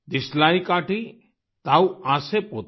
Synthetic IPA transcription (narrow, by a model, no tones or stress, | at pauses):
d̪ɪslaːikaːʈi | t̪awãːsepot̪